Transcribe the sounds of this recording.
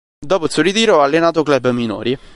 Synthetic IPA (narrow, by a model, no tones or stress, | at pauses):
d̪ɔːposurit̪iːɾoɔalːenaːt̪oklɛbːəmino̰ːɾi